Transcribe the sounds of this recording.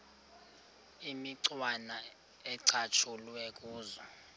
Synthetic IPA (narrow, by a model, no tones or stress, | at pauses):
imiǀwana | ɛǀat͡ʃʰulwɛk̬ʼuːzɔ